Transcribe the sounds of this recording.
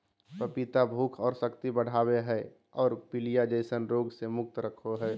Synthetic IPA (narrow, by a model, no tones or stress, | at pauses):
pəpit̪abʱuːkʰɔːɾsəkt̪ibəɽ̤ʱaːbeɦɛ | ɔːɾpɪlijad͡ʒəɪsənɾoːɡsemʊk̚t̪ɾəkʰoɦɛː